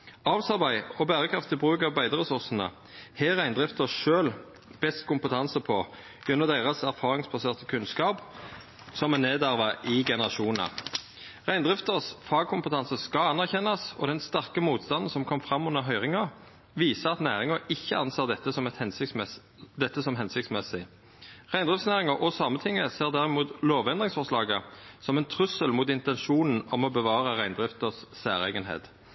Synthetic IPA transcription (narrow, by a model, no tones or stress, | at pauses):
ɑːʋsɑʁbæɪɔbæːʁəkʰʁɑft̪ːɪbʁʉːkɑʋbæɪd̪əʁɛsʊʁsn̩ə̰ | hɛʁæɪnd̪ʁɪft̪əʁʃøːl | b̥ɛst̪̚kʰʊmpət̪ʰɑnsəpʰɔ | jɛnːɔd̪æɪʁəsæʁfɑːʁɪŋsbɑseːʁt̪əkʰʉnskɑːp | sɔmɛneːd̪æʁʋəʔɪɡɛnəʁɑʃuːnɑ̰ | ʁæɪnd̪ʁɪft̪əʁsfɑːɡ̚kʰʊmpət̪ʰɑnsəskɑɑnːæʁçɛnːɑsɔ̰d̪ɛnst̪æʁkəmuːt̪st̪ɑnn̩sɔmkʰɔmfʁɑmːʉnəɦœʏʁɪŋɑ | ʋiːsəɑt̪næːʁɪŋəɪçːəɑnseːʁd̪ɛt̪ːəsɔmɛt̪hɛnsɪ | d̪ɛt̪ːəsɔmɦɛnsɪk̚t̪smɛsɪ | ʁæɪnd̪ʁɪft̪snæːʁɪŋəʔɔsɑmːət̪ʰɪŋːəseːʁd̪æːʁɪmuːt̪loːʋɛnd̪ʁɪŋsfɔʁʂlɑːɡəsɔmɛnt̪ʰʁʉsəlmʊːt̪ɪnt̪ɛnʃuːnn̩ɔmɔbəʋɑːʁəʁæɪnd̪ʁɪft̪əssæːʁɛ̰ːɡənɦḛːt̪